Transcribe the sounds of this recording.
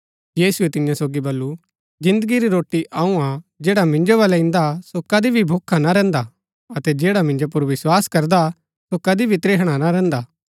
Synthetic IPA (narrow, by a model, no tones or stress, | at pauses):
jiːsʊet̪ɪnjãsoːɡibɐlːu | d͡ʒɪ̃nd̪əɡiɾiɾoːʈːiʔaːũad͡ʒeːɽamɪ̃ɲd͡ʒoʋɐlɛɪ̃nd̪asokɐd̪ibʱibʱoːkʰːanaɾɛ̃ːnd̪a | ɐt̪ɛd͡ʒeːɽamɪ̃ɲd͡ʒop̬ʊɾʋɪswaːskɐɾd̪a | sokɐd̪ibʱit̪ɾeːɦɽ̃anaɾɛ̃ːnd̪aː